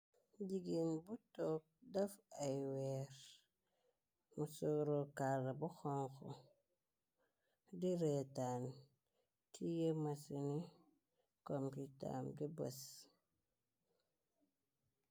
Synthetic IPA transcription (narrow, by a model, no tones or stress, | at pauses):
ɟiɡinbutok̚dafajweɾ | musuɾokalabuxoŋxo̰ | diɾetan | tʰijemasini | kompita̰mdibas